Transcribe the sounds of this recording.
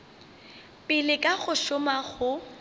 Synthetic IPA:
pʼɪlɪkʼaɣʊʃʊmaɣʊ

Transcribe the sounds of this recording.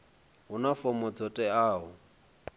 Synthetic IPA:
ɦʊnafɔmɔd͡zɔtʼɛaːɦʊ

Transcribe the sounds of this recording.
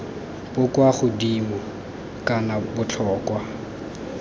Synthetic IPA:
pʊkʼwaχʊdimʊ | kʼanabʊt͡ɬʰɔːkwa

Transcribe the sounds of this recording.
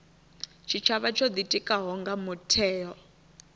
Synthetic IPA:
t͡ʃʰit͡ʃʰaβat͡ʃʰɔd̪itʼikʼaɦɔŋɡamutʰɛːjɔ

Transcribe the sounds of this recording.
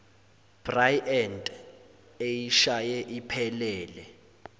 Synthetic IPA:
b̥rajɛndʼ | ejiʃajɛʔipʰɛlɛːlɛ

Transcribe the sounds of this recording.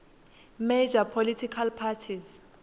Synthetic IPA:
med͡ʒapʰolitʰikʰalpʰatʰiz

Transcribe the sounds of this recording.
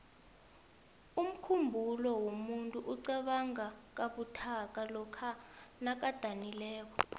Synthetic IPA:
um̩kʰumbʱulɔwomuntʼuʔuǀɛɓaŋak̬aɓutʰak̬alɔkʰanak̬ad̥ʱanilɛːk̬ɔ

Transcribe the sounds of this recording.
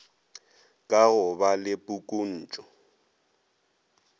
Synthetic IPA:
kʼaɣʊbalɪpʼukʼun̩ːt͡ʃʼɔ

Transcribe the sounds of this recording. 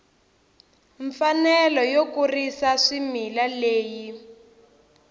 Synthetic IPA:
ɱfanɛlɔjokurisaʂimilaleːji

